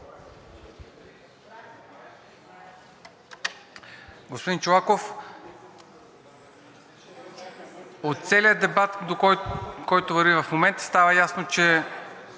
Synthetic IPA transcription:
ɡospod̪int͡ʃolˠakof | ot̪t̪sɛliəd̪ɛbat̪d̪okɔjt̪ovɐɾvivəfmomɛnt̪ə̥st̪avəjasnot͡ʃɛ

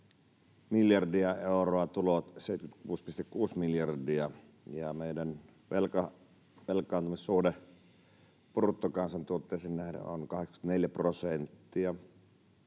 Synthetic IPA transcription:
miljɑrdiɑeˑoroɑt̪ulot̪seˑit̪̚kyt̪kuːspist̪ekkuːsmiljɑrdiɑ | jɑmeˑidæn | ʋelkɑ | ʋelkːˑɑˑːnt̪umissuhde | purt̪ːokɑnsɑnt̪uot̪ːeˑːsennæhdḛo̰nkɑhekskt̪neljæprosent̪ːiɑ

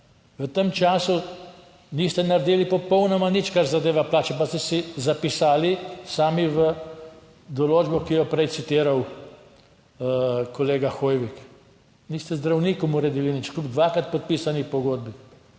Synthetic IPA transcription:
ʋət̪əmt͡ʃaːsu | nist̪ɛnaɾd̪iːlipɔpɔwnɔmanit͡ʃkaɾzad̪eːʋaplaːt͡ʃɛpast̪ɛsizapisaːlisaːmiʋə | d̪ɔloːd͡ʒbɔkijɔpɾɛjt̪sit̪iːɾaw | kɔleːɡaxoːjʋik | niːst̪ɛzd̪ɾawniːkɔmuɾed̪iːlinit͡ʃklʲubd̪ʋaːkɾat̪̚pɔt̪̚piːsanixpɔɡoːd̪̚bi

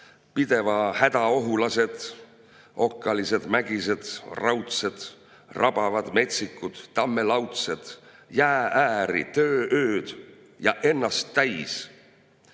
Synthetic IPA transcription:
pid̪̥e̞vɑhæd̪̥ɑo̞ɦulɑse̞d̪̥ | ʔo̞kˑːɑlise̞d̪̥mæɡ̥ise̞d̪̥rɑwt̪se̞d̪̥ | rʔɑb̥ɑvɑd̪̥me̞t̪sikːud̪̥ːɑmːe̞lɑwt̪se̞d̪̥ | jæːʔæːɾḭt̪ø̞ːʔøːd̪̥ | jɑʔe̞nːɑst̪ːæjs

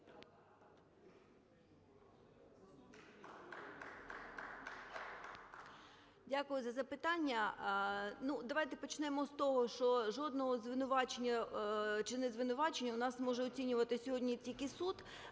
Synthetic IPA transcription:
dʲakʊjʊzɐzɐpɪt̪ɑnʲːɐ | nud̪ɐʋɑjt̪ɛpɔt͡ʃnɛmɔst̪ɔɦɔʃt͡ʃɔʒɔd̪nɔɦɔzʋɪnʊʋɑt͡ʃenʲːɐt͡ʃɪnɛzʋɪnʊʋɑt͡ʃenʲːɐʊnɑsmɔʒɛɔt͡sʲinʲʊʋɐt̪ɪsʲɔɦɔdʲnʲitʲilʲkɪsut̪

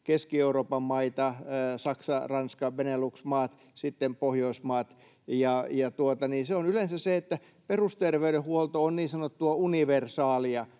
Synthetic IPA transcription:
keskieuroːpɑmmɑit̪ɑsɑksɑrɑnskɑʋeneluksmɑːt̪ | sit̪ːempohjoismɑːt̪ | jɑjɑt̪uot̪ɑniːseonylensæseet̪ːæ | perust̪erʋeyɾehuolt̪oonniːnsɑnot̪ːuɑuniʋersɑːliɑ

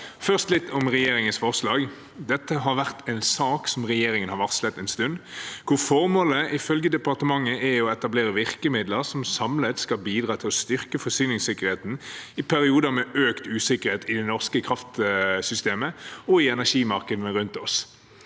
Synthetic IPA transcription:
fœʁst̪lɪt̪ːʰɔmʁɛjeːɾɪŋənsfɔʁʂlɑːɡ | d̪ɛt̪ːəɦɑɾʋæʁt̪ʰɛɪnsɑːksɔmʁɛjeːɾɪŋənhɑʋɑʁslɛt̪ːɛnst̪ʉnd̪kʰʊʁfɔɾmoːləʔɪfœlɡəd̪ɛpɑʁt̪əmɑŋːəʔɛɔɛt̪ɑbleːɾəʋɪʁkəmɪd̪ləʁsɔmsɑmlət̪skɑlbiːd̪ʁɑːt̪ʰɪlɔst̪ʏʁkəfɔsyːnɪŋsɪkəʁheːt̪n̩ɪpʰæɾɪuːd̪əmɛøːkt̪ʉːsɪkəʁheːt̪ɪd̪ɛnɔʁskəkʰɾɑft̪sʏst̪eːməɔɪɛnæʂiːmɑʁkəd̪n̩əɾʉnt̪ɔs

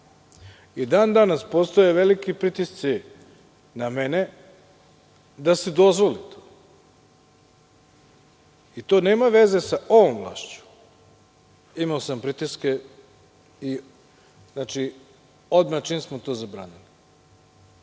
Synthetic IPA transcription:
id̪aːnd̪anaspo̞st̪ojeʋe̞likipɾit̪ist̪si | namene | d̪ased̪o̞zʋo̞lit̪ʰo̥ː | it̪o̞ːneːmaʋe̞ze̞saʔo̞ʋomʋlˠa̰ːʃt͡ɕu̥ | imaosampɾit̪iske | i | znaːt͡ʃi | od̪mat͡ʃiːmsmot̪o̞ːzabɾa̰ːnili

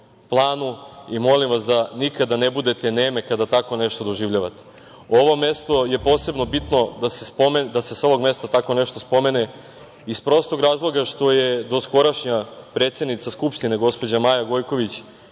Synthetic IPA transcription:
plˠaːnuimo̞limʋasd̪anikad̪anebud̪e̞t̪eneːme̞kad̪at̪ako̞neʃt̪o̞d̪o̞ʒiʋʎaʋat̪e̥ | o̞ʋo̞me̞st̪o̞je̞po̞ːse̞bno̞bit̪no̞d̪asespomed̪ase̞so̞ʋo̞ɡme̞st̪at̪ako̞neʃt̪o̞spo̞mene | ispɾo̞st̪o̞ɡɾaːzlˠo̞ɡaʃt̪o̞je̞d̪o̞sko̞ɾaʃɲapɾe̞ːt̪sje̞d̪nit̪saskupʃt̪ineɡo̞spo̞d͡ʑamajaɡo̞jko̞ʋit͡ɕ

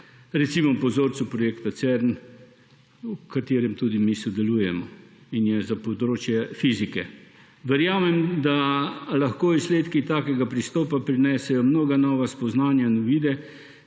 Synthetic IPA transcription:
ɾɛt̪simɔpɔzoːɾt͡s̪upɾɔjeːkt̪at̪sɛɾn | ukat̪eːɾɛmt̪ud̪imisɔd̪ɛluːjɛmɔinjɛzapod̪ɾoːt͡ʃjɛfizikɛ | ʋɛɾjaːmɛmd̪alaxkoːisleːt̪kit̪aːkɛɡapɾist̪ɔːpapɾinɛsɛjɔmnoːɡanɔːʋaspɔznaːnjanɔʋiːd̪ɛ

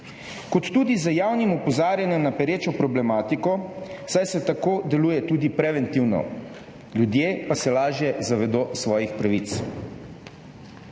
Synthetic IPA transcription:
kɔt̪ːuːd̪izəjaːwnimɔpɔzaːɾjanjɛmnapɛɾeːt͡ʃɔpɾɔblɛmaːt̪ikɔsajsɛt̪akoːd̪ɛluːjɛt̪uːd̪ipɾɛʋɛnt̪iwnɔ̰ | lʲjud̪jepasɛlaːʒjɛzaʋɛd̪oːsʋɔːjixpɾaʋit̪s

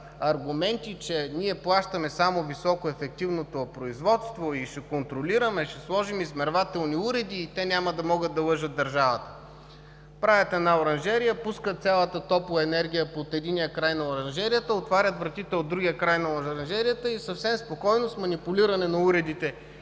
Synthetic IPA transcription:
ɐɾɡʊmɛnt̪it͡ʃɛniɛplˠaʃt̪ɐmɛsamovisɔkoɛfɛk̚t̪ivnot̪opɾoizvɔt̪st̪voiʃɛkont̪ɾoliɾɐmɛʃɛslˠɔʒimizmɛɾvat̪ɛlˠniuɾɛd̪iːt̪ɛnʲamɐd̪ɐmɔɡəd̪ɐlˠɤʒət̪̚d̪ɐɾʒavət̪ə̥ | pɾajʲət̪ɛnaoɾɐnʒɛɾijəpuskət̪sʲjalˠət̪ət̪ɔplˠɐɛnɛɾɡ̟ʲijəpot̪ɛd̪inijəkɾajnɐoɾɐnʒɛɾijət̪əot̪vaɾʲət̪vɾɐt̪it̪ɛod̪ɾuɡʲijəkɾajnɐɾɐnʒɛɾijət̪əisɐfsɛmspokɔjnosmɐnipuliɾɐnɛnɐuɾɛd̪it̪ɛ

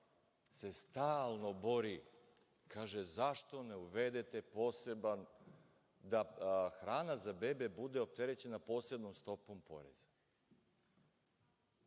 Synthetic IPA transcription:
se̞st̪aːlˠno̞bo̞ɾi | kʰaːʒezaʃt̪o̞ne̞uʋed̪et̪e̞po̞seban | d̪axɾaːnazabebebud̪e̞o̞p̚t̪eɾe̞t͡ɕe̞napo̞ːse̞d̪nomst̪o̞po̞mpo̞̰ɾḛzḁ

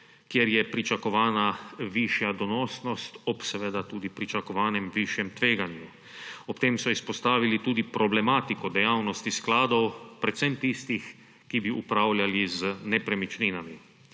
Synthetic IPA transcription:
kjɛɾjɛpɾit͡ʃakɔʋaːnaʋiːʃjad̪ɔnɔːsnɔst̪ɔpsɛʋeːd̪at̪uːd̪ipɾit͡ʃakɔʋaːnɛmʋiːʃjɛmt̪ʋeːɡanju | ɔpt̪eːmsɔispɔst̪aːʋilit̪uːd̪ipɾɔblɛmaːt̪ikɔd̪ɛjawnɔst̪isklaːd̪ɔwpɾɛt̪sɛmt̪ist̪ix | kibiʔupɾaːwlʲjalizənɛpɾɛmit͡ʃninami

